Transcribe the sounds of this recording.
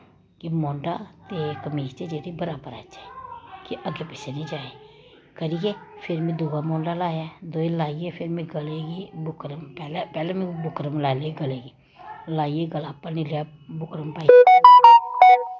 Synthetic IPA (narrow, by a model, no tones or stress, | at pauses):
kimɔ̃ːɳɖat̪ekmiːst̪ed͡ʒeːɾibəɾaːbəɾa̰t͡ʃʰakiʔəɡepɛːsenĩd͡ʒaːe | kəɾikepʰɪɾmẽd̪uːɡaːmɔːɳɖalaːjad̪oːelaːijepʰɪɾmẽɡəleɡibʊkɾəmpɛːlepɛːlemẽbʊkɾəmlaːleːɡəleːɡiː | laːieɡəlaːpənĩlea | bʊkɾəmpaːi